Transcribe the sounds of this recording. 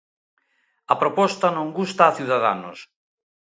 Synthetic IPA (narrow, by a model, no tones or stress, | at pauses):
ɐpɾopɔst̪ɐnõŋɡust̪aːθjiuðaða̰no̰s